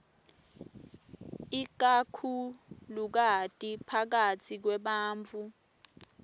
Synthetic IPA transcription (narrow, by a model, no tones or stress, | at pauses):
ik̬akʰuluk̬atʼipʰak̬atʰik̬wɛɓaːɱt͡fu